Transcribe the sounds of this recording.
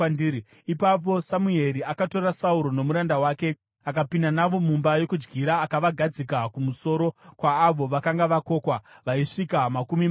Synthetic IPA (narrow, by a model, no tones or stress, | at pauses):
di | ipap̬o̞samue̞ɾiakato̞ɾasauɾo̞no̞muɾandawaːke̞ | akapindanaʋo̞mumbajo̞kud͡ʒɡiɾaːkaʋaɡʱad͡zikakumuso̞ːɾo̞kwaːʋo̞ʋakaŋɡaʋako̞ːkwaʋaiʂikamakumim